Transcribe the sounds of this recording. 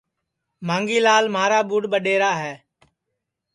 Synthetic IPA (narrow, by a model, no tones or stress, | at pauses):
mãːŋɡiːlaːlmaːɾaːɓuːɽɓəɗeːɾaːɦɛː